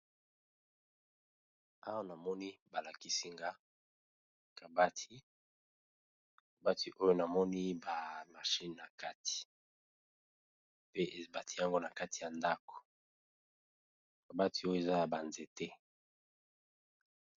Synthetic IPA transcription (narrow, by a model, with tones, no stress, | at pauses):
a˦wa˦na˨mɔ˦ni˦ba˨la˨ki˦si˦ŋɡa˦ | ka˨ba˦tʰi˦ | ka˨ba˦ti˨ʔo˦jo˦na˨mɔ˦ni˦ba˨ma˨ʃi˦nː˨a˨ka˦ti̥˨ | pe˦ʔe˨ba˨tʰi˦ja˦ŋɡo˦na˨ka˦ti˨ja˨nda˦ko̥˨ | ka˨ba˦ti˨o˦jo˦e˨za˦ja˨ba˨nze˨te˦